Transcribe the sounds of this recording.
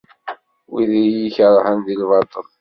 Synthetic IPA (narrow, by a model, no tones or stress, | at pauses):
wiðjiçɾˤhənðilvɑt̪ˤəl